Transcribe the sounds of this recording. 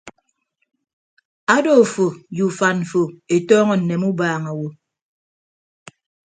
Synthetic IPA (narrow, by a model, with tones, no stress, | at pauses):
a˦do˦˨fo˨ju˨fa˨nɱ̩˨fo˨e˨tɔː˦ŋɔ˦n̩˨ne˨mu˦baː˨ŋa˨wo˨